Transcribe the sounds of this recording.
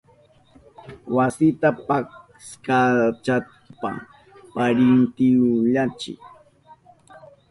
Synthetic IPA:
wasɪt̪apak | skat͡ʃa | pa̰ | paɾɪnt̪ɪʎat͡ʃɪ̰k

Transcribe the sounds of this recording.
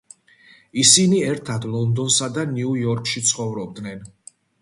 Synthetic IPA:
isiniɛɾt̪ʰad̪lˠɔnd̪ɔnsad̪aniujɔɾkʰʃit̪sʰχɔvɾɔb̚d̪nɛn

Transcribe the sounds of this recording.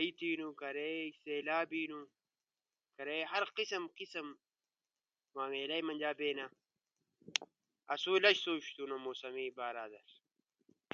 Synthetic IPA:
it̪iːnukɐɾeseːlaːbiːnu | kɐɾeɦɐɾqisɐmqisɐm | maːmeːlɐjmɐnʲd͡ʑaːbeːna | ɐsuːlɐɕsoːɕt̪unomoːsɐmiːbaːɾaːd̪ɐɾ

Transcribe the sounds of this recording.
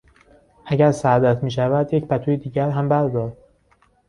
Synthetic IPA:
ʔæɟæɾsæd̪æt̪ʰmiːʃ̬ævæd̪jecpʰæt̪ʰujed̪iːɟæɾɦæmbæɾd̪ɒːɾd̪

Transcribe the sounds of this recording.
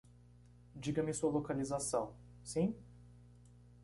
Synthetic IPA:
d͡ʒiɡɐmɪsuɐlokalizasɐ̃w̃ | sĩ

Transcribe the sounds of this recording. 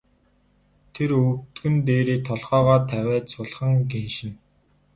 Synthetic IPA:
t̪ʰeɾɵkt̪ɡɘ̆nt̪eːɾiːt̪ʰɔɮχɔːʁɔːt̪ʰæwʲæːt͡sʊɮχə̆ŋɡenʃɪ̆n

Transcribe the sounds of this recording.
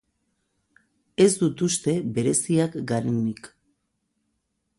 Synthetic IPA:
e̞zd̪ut̪ust̪e̞βe̞ɾe̞siakɡaɾenik

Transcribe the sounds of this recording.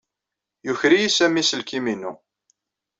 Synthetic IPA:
juçɾijisæmisəlkiminṵ

